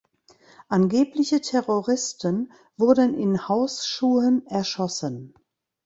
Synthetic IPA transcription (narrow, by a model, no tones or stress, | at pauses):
ʔanɡeːplɪçətʰɛʁoʁɪstʰən | v̥ʊɐdənɪnhaʊsʃuːənʔɛɐʃɔsən